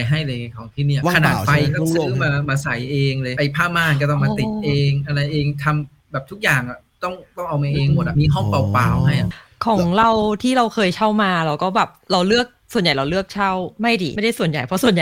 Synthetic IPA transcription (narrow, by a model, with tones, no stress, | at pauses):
jɦa˥˩jlɤː˧ka˧˩kʰa˨˦wt̪ʰiː˥˩ni˥˩ɐkʰnaː˨˩˨t̪̚pa˧jkɔ˥˩ɯ˦˧˥maː˧maː˧sa˩˦jʔeː˧ŋlɤː˧jʔa˧jpʰaː˥˩maː˧˩nk̬ɔ˥˩t̪ɔ˥˩maː˧t̪i˨˩ʔeː˧ŋʔa˧ɾa˧jʔeː˧ŋt̪ʰa˧m | bɛː˨˩p̚t̪ʰu˦˥k̚jaː˨˩ŋʔa˨˩ | t̪ɔ˥˩ŋt̪ɔ˥˩ŋʔa˧wmaː˧ʔeː˧ŋmo˨˩t̪̚ʔa˨˩miː˧ɦɔ˥˩ŋpa˧wpaː˧wɦa˥˩jʔa˨˩kʰɔː˩˦ŋɾa˧wt̪ʰiː˥˩ɾa˧wkʰɤː˧jt͡ɕʰa˥˩wmaː˧ɾa˧wkɔː˥˩bɛː˨˩p̚ɾa˧wlɯ˥˩ək̚su˨˩ənja˨˩jɾa˧wlɯ˥˩ək̚t͡ɕʰa˥˩wma˥˩jdiː˧˩m˥˩jda˥˩su˨˩ənja˨˩jpʰɾɔ˦˥su˨˩ənja˨